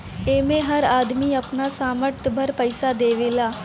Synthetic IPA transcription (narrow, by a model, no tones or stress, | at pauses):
eːmẽːɦəɾaːd̪miːəpnaːsaːməɾt̪bʱəɾpəɪsaːd̪eːʋɪːlaː